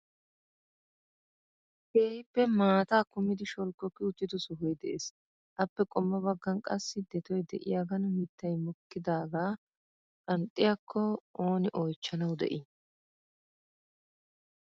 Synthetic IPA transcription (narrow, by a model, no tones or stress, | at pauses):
heːhɪpːɛmaːt̪aːkʊmɪd̪ɪʃɔlkːɔkːɪʊt͡ʃːɪt̪ɔsʊɦɔjd̪ɛʔeːs | ʔɐpːɛkʼɔmːɐbɐɡːɐnkʼɐsːɪd̪ɛt̪ɔjd̪ɛʔɪ̰jaːɡɐnmit̪ːɐjmɔkːɪd̪aːɡaː | kʼɐnt̪ʼːɪjakʰːɔʔoːnɪʔoːjt͡ʃːɐnɐwd̪ɛ̰ʔɪ